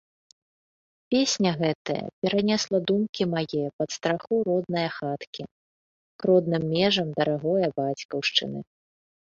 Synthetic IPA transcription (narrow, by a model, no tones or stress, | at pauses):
pʲesʲnʲɐɣɛt̪ɐjɐ̰pʲɛɾɐnʲɛslˠɐd̪umkʲimajɛjɐpɐt̪st̪ɾaxuɾɔd̪nɨjɐxat̪kʲi | kɾɔd̪nɨmːʲɛʐɐmd̪ɐɾaɣɔjɐbat͡sʲkɐwʂt͡ʂɨ̰nɨ̰